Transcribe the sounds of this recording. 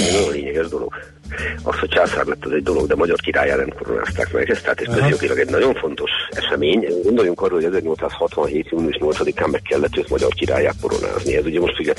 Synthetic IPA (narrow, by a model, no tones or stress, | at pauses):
ɛnɒjoleːɲɛɡɛʒd̪o̞lo̞̰ɡ | ɒ̰shoct͡ʃaːsa̰ːrlɛt̪ːɛzɛɟ̚d̪o̞loɡd̪ɛmɒɟɒrkiɾa̰ːjaːnɛmko̞ɾo̞̰nʔa̰ːst̪a̰ːkmɛ̰ɡhɛst̪aːt̪eːʃkøzjo̞ɡilɒɡɛɟnɒɟo̞ɱfo̞nt̪o̞ʃɛʃɛmeːɲɡo̞nd̪o̞juŋkɒrːoːhoɛzɛrɲo̞lt̪saːshɒt̪ʋɒnɦeːt̪juːniuʃɲo̞lt̪sɒd̪ikaːmmɛkːɛlːɛt̪ːøːt̪mɒɟɒ̰rkiɾa̰ːjːa̰ːt̪̚ko̞ɾo̞̰na̰ːzniɛzuɟɛmo̞ʃt̪fyɡjɛ